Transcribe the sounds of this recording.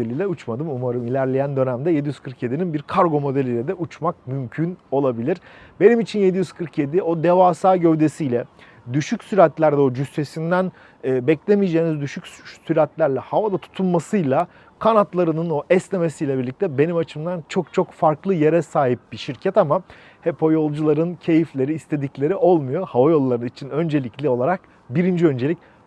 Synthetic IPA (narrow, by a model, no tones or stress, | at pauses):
elʲilʲɛut͡ʃmad̪ɯmumaɾɯmilʲæɾlʲejænd̪ø̞næmd̪ɛje̞d̪ijyzkʰɯɾkje̞d̪ininbiɾkʰaɾɡo̞mo̞d̪elʲilʲɛd̪ɛʔut͡ʃmak̚mymcʰyno̞lˠabilʲiɾ̥be̞nimit͡ʃʰinje̞d̪ijyzkʰɯɾkje̞d̪io̞d̪evaːsaːɟø̞vd̪esijlʲɛ | d̪yʃycsyɾat̪lʲæɾd̪ɛo̞d͡ʒyst̪esind̪æn | ɛːbɛclʲe̞mijd͡ʒeːnizd̪yʃycsyɾat̪lʲæɾlʲɛhavad̪at̪ʰu̥t̪ʰulˠmasɯjlˠa | kʰanat̪lˠaɾɯnɯnoʔɛsne̞mesijlʲɛbiɾlʲic̚t̪ʰɛbe̞nimat͡ʃʰɯmd̪ant͡ʃʰo̞k̚t͡ʃʰo̞kfaɾklˠɯje̞ɾɛsaːɦip̚biʃiɾcʰɛt̪ama | hepʰojo̞lˠd͡ʒulˠaɾɯncʰe̞jiflʲe̞ɾiːst̪ʰe̞d̪iclʲe̞ɾiʔo̞lˠmujo̞havajo̞lˠːaɾɯnit͡ʃʰinø̞nd͡ʒe̞lʲiclʲio̞lˠaɾak̚ | biɾind͡ʒiø̞nd͡ʒe̞lʲicʲ